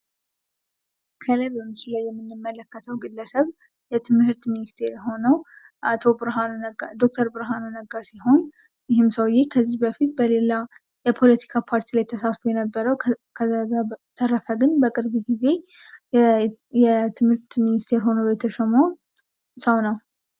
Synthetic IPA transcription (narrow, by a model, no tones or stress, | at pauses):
kʰələbəmːɨt͡ʃɪlajːɛmːɨnːɨmːələkːət̪ʰəwɡɨlːəsəβ | jɛt̪ʰɨmhɨɾt̪minist̪ʰe̞ɾho̞nəw | ʔat̪ʰo̞bɨɾɦannad̪o̞k̚t̪ʰəɾbɨɾɦanonəɡasiɦo̞n | jɪhɪmsəwjekʰəzːihbəfit̪̚bəle̞la | jɛpʰo̞lət̪ʰi̥kʰapʰaɾt̪ʰilajt̪ʰːəsafujɛnəbːəɾəwkʰəzːazat̪ʰəɾːəkʰaɡɨnbəkʼɨɾbuɡize̞ | jɛt̪ʰɨmhɨɾt̪minist̪ʰe̞ɾɦo̞nəwjɛt̪ʰəʃɛmo | səwnəw